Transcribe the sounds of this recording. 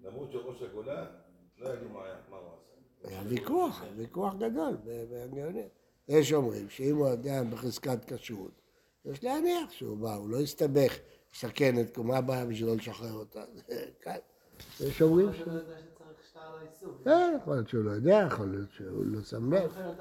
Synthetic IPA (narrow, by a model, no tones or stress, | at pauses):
amʁuʃeʁoʃaɡolalojdumaama | avikuaχvikuaχɡad̪o̞lbebeaŋɡeoni | jeʃ̬omʁḭmʃeimujod̪eabeχizkat̪kaʃut̪ | jɛʃleaniaχʃeubaulo̞ist̪abe̞χ | lesake̞net̪kumabajaviʃ̬elo̞leʃaχeʁot̪a̰zekan | jeʃomʁimʃeʃeaʁiʃalisukejeχolijot̪ʃeulojod̪eajeχolijot̪ʃeṵlosamloχ